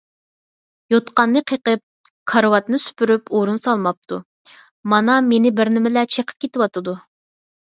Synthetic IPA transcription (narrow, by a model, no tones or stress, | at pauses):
jot̪qɑnːɨqʰəqəp̚ | kʰɑɾwɑt̪nɨsy̥pyɾypoɾunsɑlˠmɑp̚t̪ʰṵ | mɑnɑmenɪbɪɾnɪmɪlɛt͡ʃʰeqʰə̥p̚kʲʰet̪ɪwɑt̪ɨd̪u